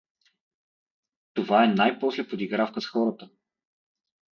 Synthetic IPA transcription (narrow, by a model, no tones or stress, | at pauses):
t̪ovaɛnajpɔslɛpod̪iɡɾafkəsxɔɾət̪ə